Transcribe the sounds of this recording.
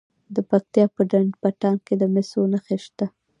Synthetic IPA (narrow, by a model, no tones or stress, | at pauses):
d̪əpak̚t̪jɑpəɖanpaʈɑnked̪əmɪsonaxeʃt̪a